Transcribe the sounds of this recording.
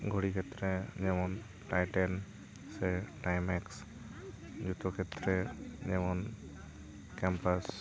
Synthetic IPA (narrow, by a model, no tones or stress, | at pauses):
ɡʱoɽikʰɛt̪ɾɛd͡ʒɛmɔn | ʈajʈɛn | sɛʈajmɛks | d͡ʒut̪ɔkʰɛt̪ɾɛd͡ʒɛmɔn | kɛmpas